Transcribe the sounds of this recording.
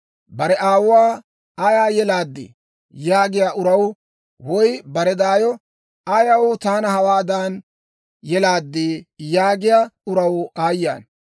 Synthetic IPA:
bɐɾɛʔaːwʊwaː | ɐjaːjɛlaːd̪ːɪ̰ | jaːɡɪjaːʔʊɾɐw | wɔjbɐɾɛd̪aːjɔ | ɐjɐwʊt̪aːnɐhɐwaːd̪aːn | jɛlaːd̪ːijaːɡɪjaːʊɾɐwaːjːa̰ːn

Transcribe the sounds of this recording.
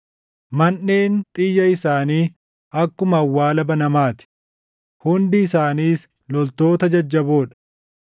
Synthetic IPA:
mɐnːe̞ːnt̪ʼɪjːɐɪsaːniː | ɐkːʊmɐːwːaːlɐbɐnɐmaːt̪ɪ̥ | hʊnd̪ɪːsaːniːs | lɔlt̪o̞ːt̪ɐd͡ʒɐd͡ʒːɐbo̞ːᶑɐ̥

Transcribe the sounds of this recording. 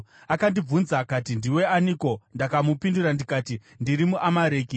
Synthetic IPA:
akandib͡vunzakatindiwe̞aniko̞ndakamupindurandikaːti | ndiɾimuʔamaɾeːki

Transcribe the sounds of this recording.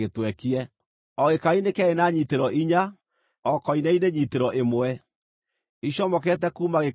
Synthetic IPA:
etwɛkiɛ | ɔɣekainekɛenaɲiteɾɔʔiɲa | ɔkɔinɛineɲiteɾɔʔemwɛ | iɕɔmɔkɛtɛkuːmaɣe

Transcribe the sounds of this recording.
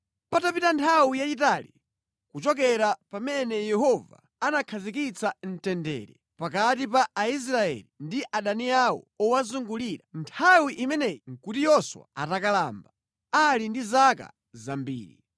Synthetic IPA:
patapitantʰawijat͡ʃitaːli | kut͡ʃɔkɛɾapamɛnɛjɛhɔva̰ːnakʰazik̬it͡san̩tɛndɛ̰ːɾɛ | pakatipaais̬ɾaɛ̰lindiʔaɗaniawɔ̰ɔwazuŋɡuliɾantʰawiʔimɛnɛŋkutijɔswa̰a̰takala̰mba | alindizaka̰ | zambḭːɾi

